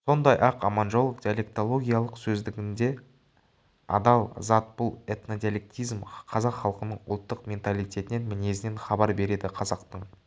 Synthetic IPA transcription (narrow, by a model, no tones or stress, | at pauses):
so̞nd̪ɑjʔɑqɑ̰mɑnʒo̞lˠd̪ʲijalʲe̞k̚t̪o̞lˠo̞ɡʲijalˠəqsɵzd̪ɪɡʲɪnd̪e̞ | ɑ̰d̪ɑlˠzɑt̪̚b̥ʊlˠe̞t̪no̞d̪ijalʲe̞k̚t̪ijzmqʰɑzɑqχɑlˠəqənəɴʊ̰lˠt̪ːəqmʲe̞nt̪alˠijt̪ʲʰe̞t̪ɪnenmɪne̞sɪnenχɑbɑɾbe̞ɾe̞d̪ɪqʰɑzɑqt̪əɴ